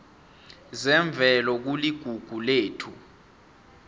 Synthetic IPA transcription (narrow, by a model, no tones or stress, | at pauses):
zɛɱb̪vʱɛlɔk̬uliɡ̥ʱuɡ̥ʱuleːtʰu